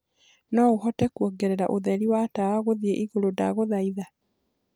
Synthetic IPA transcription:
nɔoɦɔtɛkwɔɡɛɾeɾaʔoðɛɾiwataaɣoðieʔiɣolodaɣoðaiða

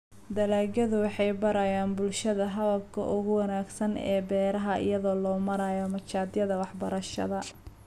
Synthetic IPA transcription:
d̪ɐlaːɡɐðʊwɑħɑjbɐɾɐjaːnbʊlʃɐðɐɦɐðɐb̚kʰɐ̰ʔʊɣʊwɑnaːɡsɐnɛ̰ːbɛːɾɐɦɐʔɪ̰jɐðɔːlɔːmɐɾajɔmɐt͡ʃaːd̪jɐðɐwɑħbɐɾɐʃɐ̰ðɐ

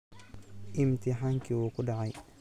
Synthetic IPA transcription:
ʔimtiɦaŋkiwokudaʕaj

